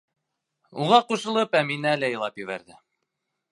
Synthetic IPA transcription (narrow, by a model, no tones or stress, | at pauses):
uʁɑquʃɤ̆lˠɤpæminælæjɤ̆lˠɑpjɘ̆βæ̰ɾðɘ